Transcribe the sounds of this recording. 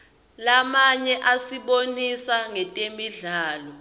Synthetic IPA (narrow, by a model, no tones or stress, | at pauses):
lamaɲɛʔasiɓonisaŋɛtʼemiɮaːlɔ